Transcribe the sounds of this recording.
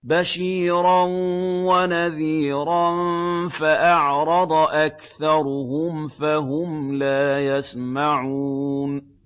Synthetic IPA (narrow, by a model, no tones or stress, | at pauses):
baʃiːɾɑnwanaðiːɾˤɑnfaʔɑʕɾˤɑd̪ˤʔakθɑɾˤʊhʊmfaɦʊmlaːjasmaʕuːn